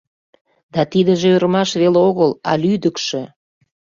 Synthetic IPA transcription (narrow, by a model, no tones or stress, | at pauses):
d̪ɑt̪id̪ə̆ʒeøɾəmɑʃβeleoɣəlɑ̰lyd̪əkʃe